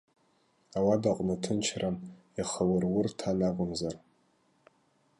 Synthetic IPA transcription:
awadaqʷʼnɨtʰɨnt͡ʃʰramjaχawarwʊrtʰanakʷʼʊmzar

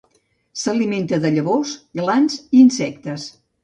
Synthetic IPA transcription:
səliment̪əðəʎəβozɡlanziinsɛkt̪əs

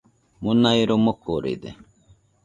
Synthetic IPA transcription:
munːajiɾomːokːoːɾḭːd̪ḛ

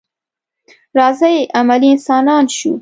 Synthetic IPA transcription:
ɾɑzəjʔamaliɪnsɑnɑnʃṵ

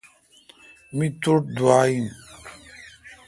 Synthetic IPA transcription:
mĩt̪uʈ̚d̪uaːin

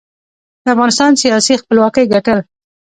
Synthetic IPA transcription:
d̪̥əafɣɑnɪst̪ɑnsijɑsixpəlwɑkəjɡaʈəl

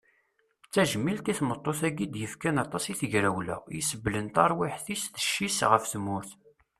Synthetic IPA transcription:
t͡sːæʒəmːilt̪iθmət̪ˤːoθæɡid̪jəfkænɑt̪ˤɑsiθəʝɾæwlə̰ʁjəsəblənt̪ɑɾˤwiħθisθə̥ʃːisʁəfθmʊɾθ

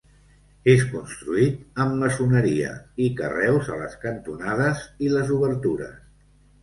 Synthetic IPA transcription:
eskunst̪ɾuit̪əmːəsunəɾiə̰ikə̰rɛwzə̰lə̰skənt̪unað̞əziləzuβəɾt̪uɾə̰s

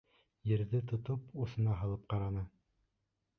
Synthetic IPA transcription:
jɘ̆ɾðɘt̪ŏt̪opʰusɤ̆nɑɦɤ̆lˠɤp̚qɑɾɑnɤ

